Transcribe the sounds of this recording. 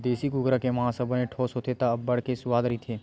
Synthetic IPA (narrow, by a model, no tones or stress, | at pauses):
d̪eːsiɡʊɡɾakemɐɦãsəbənẽʈʰɔːsɦoːt̪ʰet̪aɐbːɐɽ̤kesʊwaːd̪ɾəit̪ʰeː